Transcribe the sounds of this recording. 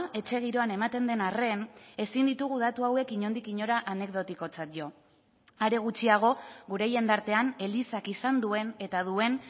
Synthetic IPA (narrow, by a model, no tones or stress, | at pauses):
e̞t͡ʃe̞ɣ̞iɾo̞ane̞mat̪e̞nd̪e̞nare̞ne̞sind̪it̪uɣ̞uðat̪uawe̞kiɲo̞nd̪ikiɲo̞ɾaʔane̞ɡd̪o̞t̪iko̞t͡sat̪̚ʝo̞ | aɾe̞ɣ̞ut͡ʃiaɣ̞o̞ɣuɾe̞je̞nd̪aɾt̪e̞ane̞lisakisand̪ue̞ne̞t̪aðue̞n